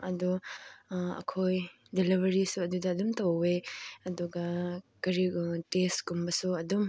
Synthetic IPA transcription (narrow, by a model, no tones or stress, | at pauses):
ɐdu | ɐ̰kʰoj | dilibɐɾisuɐdudɐːdumtɐweɐduɡɐkɐɾitesɡumbɐsuɐdum